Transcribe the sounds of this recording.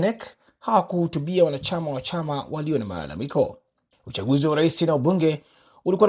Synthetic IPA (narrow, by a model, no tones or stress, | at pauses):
nɛk | hawakuhutuɓiawanat͡ʃamawat͡ʃamawʔaliɔnama̰ːla̰mikɔ̰ | ut͡ʃaɡuziwaɾaisinauɓuŋɡɛ | ulikua